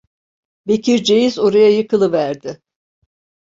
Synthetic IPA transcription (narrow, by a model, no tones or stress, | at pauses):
be̞cʰiɾd͡ʒe̞jizo̞ɾajajɯkʰɯlˠɯvæɾd̪ɪ